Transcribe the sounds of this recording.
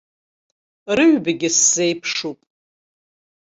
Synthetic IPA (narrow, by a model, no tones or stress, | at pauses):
rɨɥbaɡʲɪsːejpʰʂupʼ